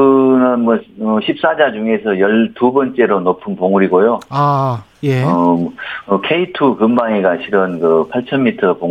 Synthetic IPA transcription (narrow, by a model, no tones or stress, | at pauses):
ɯnɯnmʌʌɕʰip̚s͈ad͡ʑad͡ʑuŋe̞sʰʌjʌɭtubʌnt͡ɕ͈e̞ɾonopʰɯnpoŋuɾiɡojoa | ʌ | kʰe̞itʰukɯmbaŋeɡaɕʰiɾɯnkɯpʰaɭt͡ɕʰʌnmitʰʌpoŋ